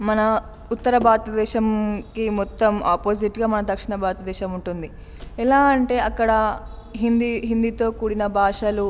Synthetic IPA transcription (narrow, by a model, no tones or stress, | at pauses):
mɐnɐ | ut̪ːɐɾɐbʱaːɾt̪ɐd̪ɛːʃɐmkimɔt̪ːɐmaːpoːsiʈɡaːmɐnɐd̪ɐkʂiɳɐbʱaːɾt̪ɐd̪ɛːʃɐmuɳʈund̪i | ɛlaːɐɳʈe̞ːɐkːɐɽɐ | ɦind̪iɦind̪it̪o̞ːkuːɽinɐbʱaːʂalu